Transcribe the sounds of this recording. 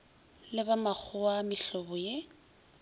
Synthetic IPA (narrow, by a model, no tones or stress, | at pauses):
lɪbamak͡xʰʊamɪɬɔbʊje